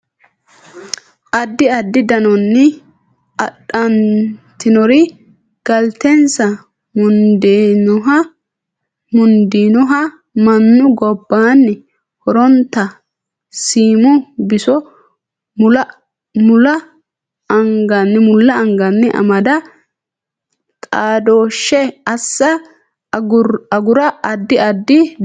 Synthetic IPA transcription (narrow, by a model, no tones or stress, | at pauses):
ʔɐd̪ːɪɐd̪ːɪd̪ɐnɔnːɛ | ɐɗɐnt̪ɪnɔɾɪ | ɡ̥ɐlt̪ɛnsɐ | mʊnd̪enʊɦɐ | mʊnd̪iːnɔɦɐ | mɐnːʊɡɔbːaːnːɛ | hɔɾɔnt̪ːɐ | siːmʊbɪsɔ | mʊlɐ | mʊlɐ | ɐŋɡɐnːɛmʊlːɐɐŋɡɐnːɛʔɐ̰mɐd̪ɐ | t̪ʼaːd̪oːʃːɛɐsːɐ | ʊɐɡʊɾɐɐd̪ːɪɐd̪ːɪ